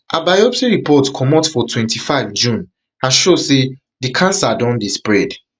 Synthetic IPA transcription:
ʔabajɔpsiɹipɔtkʰɔmɔtfɔtʰwɛ̃ntʰifaɪvd͡ʒũn | aʃose | dikʰãnsadɔ̃ndispɹɛd

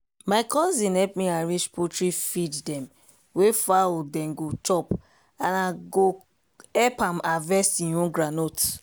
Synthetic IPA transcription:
makɔ̃nzĩnhɛpmiaɹit͡ʃpʰotɹifiddɛ̃m | wefaodɛ̃mɡot͡ʃɔp | anaɡo | ɛpãmavɛstĩõɡɾanot

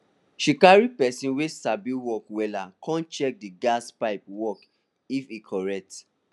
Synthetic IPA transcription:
ʃikaɹipɛsĩnwesabiwɔkwɛlakãnt͡ʃɛk̚diɡaspaɪp̚wɔk | ifikʰɔɹɛk̚t

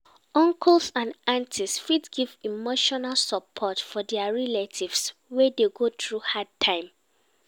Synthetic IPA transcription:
ɔ̃ŋkʰɔlsãnãntʰisfidɡivimoʃɔnalsɔpʰɔtfɔdɛaɹɛletʰivswɛdeɡotɹuhad̚tʰãɪ̃m

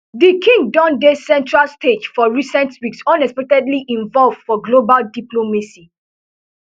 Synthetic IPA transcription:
dikʰĩŋdɔ̃ndesɛ̃ntʰɹalsted͡ʒfɔɹisɛ̃ntwiksɔ̃nɛkspɛk̚tɛdliʔĩnvɔlvfɔɡlobaldiplomasi

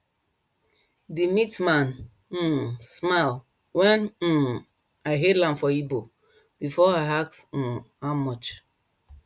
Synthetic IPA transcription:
dimitmãn̩ | smal | wɛ̃n̩ | aɪɦetlãmfɔibo | bifɔaɦaks̩haʊmɔt͡ʃ

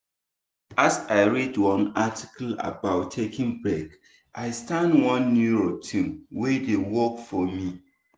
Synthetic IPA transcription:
asaɪɹidwɔ̃nati̥kəla̰baʊtʰːekĩŋbɹɛk | ʔaɪstãndwɔ̃nːjuɹotʰĩmwɛdewɔkfɔmi

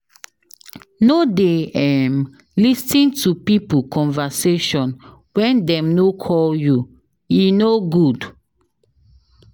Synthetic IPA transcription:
nodeɛm | listĩntupipukʰɔ̃nvaseʃɔ̃n | wɛ̃ndɛ̃mnokʰɔlju | inoɡud

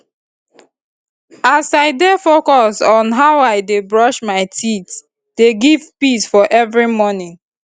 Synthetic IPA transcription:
asaɪdefokɔsɔ̃nɦawaɪdebɹɔʃmaɪtʰit | d̥eɡiv̥pisfɔʔɛvɹimɔnĩŋ

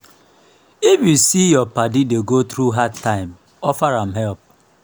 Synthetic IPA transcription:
ifjusijɔpadideɡot̪ɾuɦadtːãɪ̃m | ɔfaɹãmɦɛlp̚

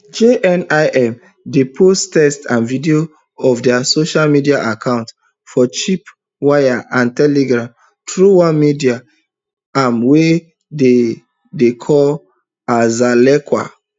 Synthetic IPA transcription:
d͡ʒeʔɛnaɪʔɛm | depʰostɛstãnvidio | ɔfdɛasoʃalmidiaʔakʰãʊ̃nt | fɔt͡ʃip | wajaʔãntɛleɡɹãm | tɹuwãnmidia | ãmwe | de | dekʰɔl | azalɛkwa̰

